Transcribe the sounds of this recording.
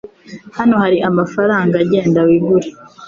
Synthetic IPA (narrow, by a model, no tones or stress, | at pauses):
hano̞haɾiʔamafaɾaːŋɡaaɟe̞ːndawiɡuɾi